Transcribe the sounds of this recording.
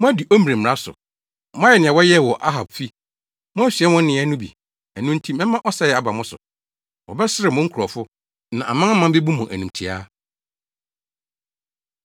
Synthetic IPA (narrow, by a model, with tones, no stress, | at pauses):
mʊ̃˦æ˦di˨ʔo˦m˨ɾe˨m˨ɾa˦sʊ̰˨ | mʊ̃˦a˦ɛ˨nɪ̃˨ɛ˨wɔ˦jɛ˦˨wɔ˨ʔa˦ɦa˨b̚fi˦ | mʊ̃˦æ˦si˨ɛ˦wɔ̃˦n˦nɪ̃˨˦ɛ˦nʊ̃˦bḭ˨ | æ˨nũ˦n̩˦tʰi˦mɛ̃˦mã˦ʔɔ˦sa˦jɛ˨a˨ba˨mʊ̃˦sʊ̰˨ | wɔ˨bɛ˦sɪ˦ɾɪ˨mʊ̃˦ŋ̩˦kʰu˨ɾɔ˨fʊ˦ | nã˨ʔa̰˨mã˦mã˦be˦bu˦mʊ̃˨ʔæ̰˨nũ˨mtʰi˨a̰˦